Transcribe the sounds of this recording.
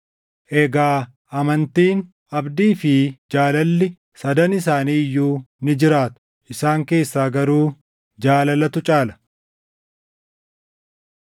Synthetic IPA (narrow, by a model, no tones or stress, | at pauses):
ʔɛɡaː | ɐmɐnt̪iːn | ɐbd̪iːfɪd͡ʒaːlɐlːɪ | sɐd̪ɐnɪs̬aːniːjːuːnɪd͡ʒɪɾaːt̪ʊ̥ | ʔɪsaːŋke̞ːsːaːɡɐɾuː | d͡ʒaːlɐlɐt̪ʊt͡ʃʼaːlɐ̥